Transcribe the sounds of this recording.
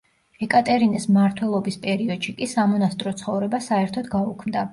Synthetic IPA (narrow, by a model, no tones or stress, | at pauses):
ɛkʼat̪ʼɛɾinismaɾt̪ʰwɛlˠɔbispʼɛɾiɔd̪̥ʃikʼisamɔnast̪ʼɾɔt̪sʰχɔvɾɛbasaɛɾt̪ʰɔd̪ɡaukʰmd̪a